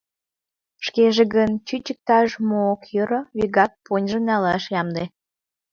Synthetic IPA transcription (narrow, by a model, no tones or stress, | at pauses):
ʃkeʒeɣənt͡ɕyt͡ɕək̚t̪ɑʒmoːkjøɾoβiɣɑk̚ponʲʒə̆nɑlɑʃjɑmd̪e